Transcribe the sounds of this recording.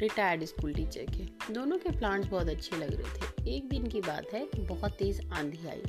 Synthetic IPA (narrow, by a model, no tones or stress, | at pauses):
ɾɪʈaːjəɾɖɪskuːlʈit͡ʃɛ̰ːkɦɛ̃ːd̪oːnõkeplãːʈs̬bɔːt̪ɐtːʃʰelɐɡɾɛ̰ɦḛt̪ʰeeːk̚d̪ɪnkiba̰ːt̪ɦɛkibɔɦɔt̪ːeːzãːnd̪ʱia̰ːḭː